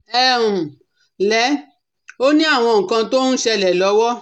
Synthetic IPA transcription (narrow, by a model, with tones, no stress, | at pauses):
ɛ˦ũ˨ | lɛ˨˦ | o˦nĩ˦a˦˨w̃ɔ̃˧ŋ̩˨kã˧to˦ñ̩˦ʃɛ˧lɛ˨lɔ˨˦wɔ˦